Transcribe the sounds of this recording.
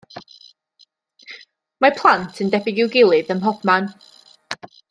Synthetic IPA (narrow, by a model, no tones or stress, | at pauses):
mapʰlˠantʰəndɛbɪɡɪwɡɪlˠɨðəmɦɔb̥man